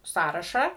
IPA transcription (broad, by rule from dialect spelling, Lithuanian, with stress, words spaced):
ˈsɑːrɐʃɑː